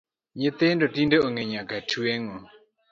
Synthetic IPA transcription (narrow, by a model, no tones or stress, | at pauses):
ɲɪt̪ɪndɔtindəʔoŋɛɲãkatʰuɛŋɔ